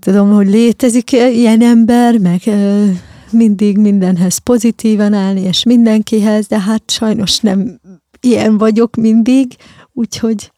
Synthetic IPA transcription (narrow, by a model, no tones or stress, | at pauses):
t̪ud̪o̞mho̞ɟleːt̪ɛzikiɛnɛmbɛrmɛɡ | mind̪iɡmind̪ɛnɦɛz̥po̞zit̪iːvɒnaːlnieːʃmind̪ɛŋkiɦɛzd̪ɛɦat̪ʃɒjno̞ʃnɛm | ijɛɱvɒɟo̞kmind̪iɡ | uːcho̞ɟ